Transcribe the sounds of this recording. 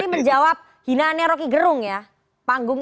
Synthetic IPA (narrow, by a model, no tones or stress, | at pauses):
iməɲd͡ʒawap̚ | hinanaɾokiɡəɾʊŋja | paŋɡʊŋ